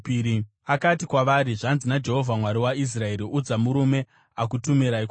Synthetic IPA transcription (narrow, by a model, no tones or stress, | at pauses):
i | akatikwaʋaɾiʐanzinad͡ʒe̞ɦo̞vʱamwaɾiwais̬rae̞ɾiud͡zamuɾume̞ | akutumiɾaik